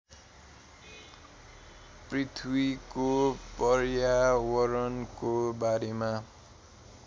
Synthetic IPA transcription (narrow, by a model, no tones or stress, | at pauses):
prit̪ʰwikopʌrjawʌɾʌnkobaɾema